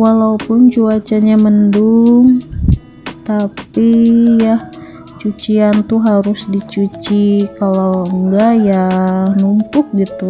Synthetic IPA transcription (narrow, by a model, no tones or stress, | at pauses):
walaupʊnt͡ʃuat͡ʃaɲamənduŋ | t̪apija | t͡ʃut͡ʃiant̪uɦaɾusdit͡ʃut͡ʃikalawəŋɡajanumpʊk̚ɡit̪u